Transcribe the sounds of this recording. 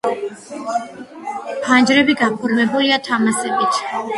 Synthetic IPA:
pʰand͡ʒɾɛbiɡapʰɔɾmɛbuliat̪ʰamasɛbit̪ʰ

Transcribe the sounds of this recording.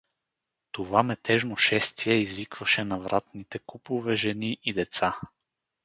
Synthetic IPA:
t̪ovamɛt̪ɛʒnoʃɛst̪viɛizvikv̥ɐʃɛnɐvɾʔat̪nit̪ɛkupovɛʒɛniʔid̪ɛt̪sa

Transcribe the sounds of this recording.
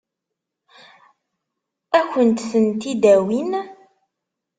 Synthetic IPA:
ækənt̪θənt̪id̪æwin

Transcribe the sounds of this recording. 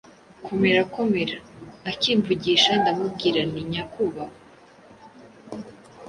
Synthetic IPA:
kʰome̞ɾakome̞ɾaːkiːɱvuɟiʃandamubɡiːɾaniɲakuβa

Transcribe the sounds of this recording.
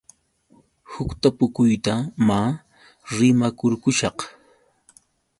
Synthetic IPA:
hʊkt̪apʊkʊjt̪amaː | ɾɪmakʊɾkʊʃɑq

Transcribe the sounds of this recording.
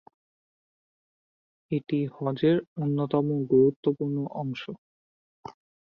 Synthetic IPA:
eʈihɔd͡ʑeɾonːot̪ɔmoɡoɾut̪ːopuɾnoʔɔŋʃo

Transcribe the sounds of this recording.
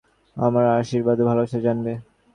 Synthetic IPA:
a̰maɾaʃiɾbad̪bʱalobaʃaɾd͡ʑanbe

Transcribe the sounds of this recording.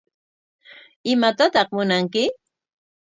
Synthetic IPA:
ɪmat̪at̪ɑχmʊnaŋkɪ

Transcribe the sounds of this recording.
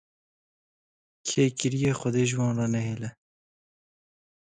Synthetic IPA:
kʰeːkɪɾijeːxɔd̪eːʒwɑːnrɑːnɛɦeːlɛ

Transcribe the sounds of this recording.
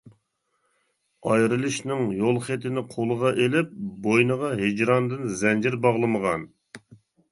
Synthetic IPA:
ɑjɾɨlˠɨʃnɨŋjolˠχet̪ʰɪnɪqʰolˠəʁɑʔelɪp̚bojnəʁɑɦed͡ʒɾɑnd̪ɨnzɛnd͡ʒɪɾbɑʁlˠɨməʁɑn

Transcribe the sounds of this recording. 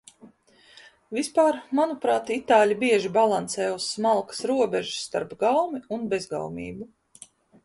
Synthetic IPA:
vispaːɾmanupɾaːt̪it̪aːlʲibiɛʒibalˠansɛːusmalˠkḁsɾuɔbɛʒu̥st̪a̰ɾpɡawmiunbɛzɡa̰wmʲḭːbu

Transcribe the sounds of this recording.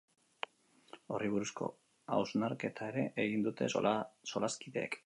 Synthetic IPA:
o̞riβ̞uɾusko̞̰ | a̰wznaɾke̞t̪ʰae̞ɾe̞ʔeɣind̪ut̪e̞̰so̞laskiðe̞̰ːk

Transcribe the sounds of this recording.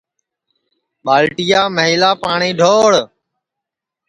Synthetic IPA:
ɓaːlʈijaːməɦiːlaːpaːɳĩːɖʱoːɽ

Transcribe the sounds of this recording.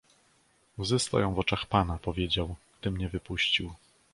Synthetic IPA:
uzɪst̪a̰wjɔ̃w̃vɔt͡ʂaxpanapɔvʲjed͡ʑawɡd̪ɘmɲɛvɘpuɕt͡ɕiw

